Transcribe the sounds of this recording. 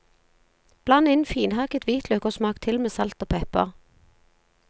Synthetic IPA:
b̥lɑnɪnfiːnhɑːkət̪ʰʋiːt̪ʰlœkʊʁsmɑːkt̪ʰɪlmeːsɑlt̪oːpʰɛpə̰ʁ

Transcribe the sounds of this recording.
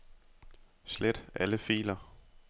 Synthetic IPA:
sled̥æləfḭːlɐ

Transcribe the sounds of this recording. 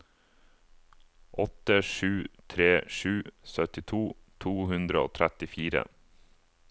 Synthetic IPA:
ʔɔt̪əʃʉːt̪ʰɾeːʃʉːsœt̪ɪt̪ʰuːt̪ʰuːhʉnd̪ɾəo̰ːt̪ʰɾɛt̪ɪfiːɾə̰

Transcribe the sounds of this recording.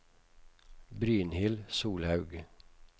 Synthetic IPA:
bɾyːnhɪlsuːlhɑʉɡ

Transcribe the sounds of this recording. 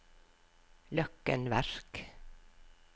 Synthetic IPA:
lœkːə̰nʋæɾk

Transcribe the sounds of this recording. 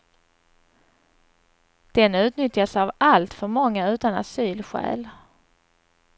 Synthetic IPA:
d̪̥ɛnʉ̟ːt̪nʏt̪jasavalt̪fœɾmɔŋːaʉ̟ːt̪ana̰syːlɧæ̰ːl

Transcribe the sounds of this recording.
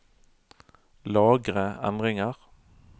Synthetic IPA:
lɑːɡʁəɛ̰nʁɪŋəʁ

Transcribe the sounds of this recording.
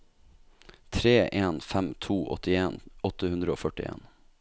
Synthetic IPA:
t̪ʰɾeːʔeːnfæmt̪ʰuːʔɔ̰t̪ɪeːnɔt̪əhʉnd̪ɾəoːfœʈɪ̰ʔḛːn

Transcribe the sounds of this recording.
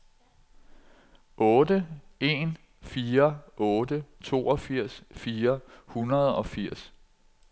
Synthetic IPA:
ʔɔ̽ːdəe̝n | fiːɐʔɔ̽ːdət͡sʰo̝̰ːɒfiɐ̰sfiːɐhunɐð̞ˠɒ̽fiɐ̰s

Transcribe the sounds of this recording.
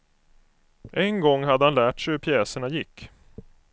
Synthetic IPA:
ʔɛŋɡɔŋːɦad̪ːəhanlæːʈʂɛhɵɾpʰjɛːsəɳajɪkː

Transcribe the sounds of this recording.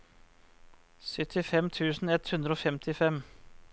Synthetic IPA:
sœt̪ʰɪfɛmt̪ʰʉːsn̩ɛt̪hʉnd̪ɾoːfɛmt̪ʰɪfɛm

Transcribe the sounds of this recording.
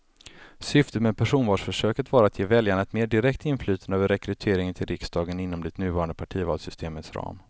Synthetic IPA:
sʏft̪ət̪mɛpʰæʂuːnvɑːʂfœʂøːkət̪vɑːɾat̪jeːvɛljaɳaɛt̪meːɖɪɾɛkt̪ɪnflyːt̪ʰanøːvəɾɛkɾɵt̪ʰeːɾɪŋənt̪ʰɪlɾɪksd̪ɑːɡənɪnːɔmd̪ɪt̪nʉ̟ːvɑːɾand̪əpʰaʈʰiːvɑːlsʏst̪ʰeːmət̪sɾɑ̰ːm

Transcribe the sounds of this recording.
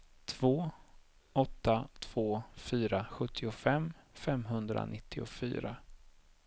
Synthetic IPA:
t̪ʰv̥oː | ɔt̪ːat̪ʰv̥oːfyːɾaɧɵt̪ʰːɪʊfɛmfɛmɦɵnd̪ɾa̰nɪt̪ʰːɪʊfy̰ːɾa

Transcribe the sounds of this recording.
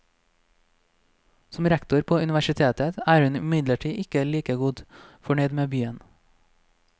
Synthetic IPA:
sɔmɾækt̪ʊɾpʰoːʉnɪʋæʃɪt̪ʰeːt̪ət̪æːɾhʉnɪmɪd̪ləʈʰiːʔɪkəliːkəɡʊd̪fɔɳœʏd̪meːbyːən

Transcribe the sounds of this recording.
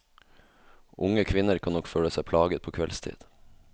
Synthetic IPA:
ʔʊŋəkʰʋɪnəɾkʰɑnɔkføːləsæɪpʰlɑːɡət̪̚pʰoːkʰʋɛlst̪ʰḭːd̪̥

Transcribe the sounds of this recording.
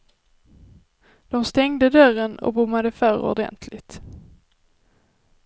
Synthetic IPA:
d̪̥ɔmst̪ɛŋd̪əd̪œrənɔ̰bʊmːad̪əfœːɾɔ̰d̪ɛ̰nt̪ʰlɪt̪

